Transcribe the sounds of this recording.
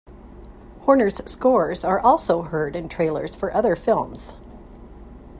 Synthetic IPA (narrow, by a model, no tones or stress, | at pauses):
hɔɹnə˞z̥skɔɹzə˞ʔɔlˠsoʊɦɜ˞ɾɨ̃ntʰɹ̥eɪlˠə̰˞z̥fə˞ʔʌðə˞fɪlˠmz̥